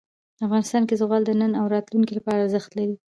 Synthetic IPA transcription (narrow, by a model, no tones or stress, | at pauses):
afɣɑnɪst̪ɑnkezɣɑld̪ənənawɾɑt̪lunkilapɑɾazəxt̪laɾi